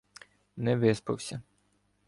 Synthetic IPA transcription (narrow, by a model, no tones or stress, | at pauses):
nɛʋɪspɐwsʲɐ